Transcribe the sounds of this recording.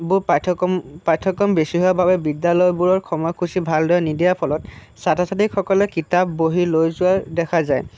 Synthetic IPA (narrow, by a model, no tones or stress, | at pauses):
bʊɹpatʰpajtʰːɔkɔmbesiɦowabʱabɛbidalɔjbuɹɔɹkʰɔmɔjkʰusibʱaldojanidijapʰɔlɔt | satʰasatikxɔkɔlɛkitapːoɦilojzʊaɹdɛkʰazaj